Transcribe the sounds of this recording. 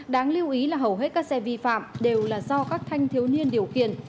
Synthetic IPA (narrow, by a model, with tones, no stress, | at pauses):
ɗaː˨˦ŋli˧əwʔi˨˦laː˨˩ɦə˨˩wɦe˦˥t̚kaː˦˥k̚sɛ˧vi˧fa̰ː˧˨mɗe˨˩wlaː˨˩zɔ˧kaː˦˥k̚t̪ʰa˧jŋ̟t̪ʰi˨˦wni˧ənɗi˨˩əwxḭ˧˨ən